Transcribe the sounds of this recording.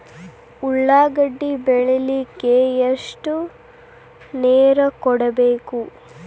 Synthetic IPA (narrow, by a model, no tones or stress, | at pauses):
uɭːaːɡɐɖːibɛɭelikːejeʂʈu | neːɾɐkɔɽɐbeːku